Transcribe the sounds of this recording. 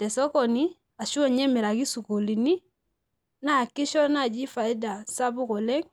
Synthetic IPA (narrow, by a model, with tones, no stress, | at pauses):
tɛ˨sɔ˦kɔ˨ni˦ | a˨ʃu˦˨ɲɛ˦mi˨ɾa˨ɡi˦su˨ku˨li˨ni˦ | na˦a˨kːi˦ʃɔ˦na˦˨d͡ʒi˦fa˨i˦da˨sa˦bu˦kɔ˨lɛ˦ŋ